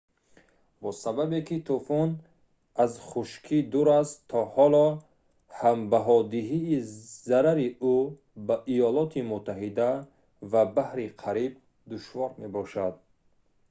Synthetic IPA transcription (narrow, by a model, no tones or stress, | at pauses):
bɔsababekit̪ʰufun | azχuʃkʰid̪uɾast̪ʰːɔhɔlɔ | hambaɦɔd̪iɦiːzaɾaɾiu | baʔijɔlɔt̪ʰimut̪ʰːaɦid̪a | vabahɾiqʰaɾib̚ | d̪uʃvɔɾme̞bɔʃad̪̚